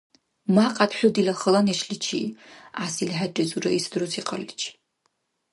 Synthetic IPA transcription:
maqʼatħʷʊdilaχəlaniʃlɨt͡ʃʰḭasilħatʼɪzura̰isdrusʰiqʼəlt͡ʃʰʼ

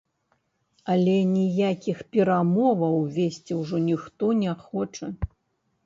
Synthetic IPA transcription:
ɐlʲɛnʲijakʲixpʲɛɾamɔvɐwvʲesʲt͡sʲiwʐɔnʲixt̪ɔnʲɛxɔt͡ʂɐ

